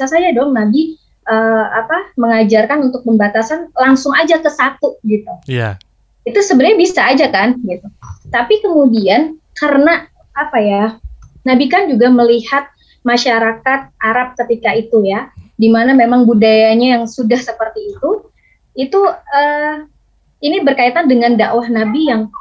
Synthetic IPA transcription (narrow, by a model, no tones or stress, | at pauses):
sasad͡ʒadɔŋnabi | ʔəapaməŋad͡ʒarkanunt̪ʊk̚məmbat̪asanlaŋsʊŋad͡ʒakəsat̪uɡit̪uja | it̪usəbənɲabisaːd͡ʒakanɡit̪ut̪apikəmudiankarəna | apajanabikand͡ʒuɡaməlihat̪̚ | maʃaɾakat̪̚ʔaɾap̚kət̪ikait̪ujadimanamemaŋbudajaɲajaŋsudahsəpərt̪iːt̪u | it̪uəː | inibərkait̪andəŋandawahnabijaŋ